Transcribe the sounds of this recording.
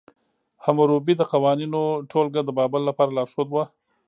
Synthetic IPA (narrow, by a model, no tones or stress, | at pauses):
hamʊɾubid̪əqawɑninoʈʰolɡad̪əbɑbəlːapɑɾalɑɾʃod̪wa